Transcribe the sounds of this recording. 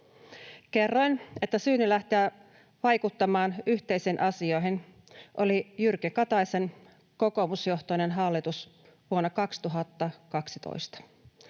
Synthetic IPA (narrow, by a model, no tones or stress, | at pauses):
ke̞rːo̞jne̞t̪ːæsyːnylæht̪iæː | ʋɑjkut̪ːɑmɑːnyçt̪e̞jseːnʔɑsio̞jɦin | ʔolijyrkikɑt̪ɑjsen | ko̞ko̞musjo̞ht̪oine̞nɦɑlːit̪us | ʋuonːɑkɑkst̪uɦɑt̪ːɑkɑksit̪o̰jst̪ɑ̥